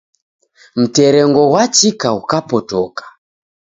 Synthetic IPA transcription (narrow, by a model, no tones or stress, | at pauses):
m̩tɛɾɛŋɡɔwat͡ʃikaukapɔtɔkḁ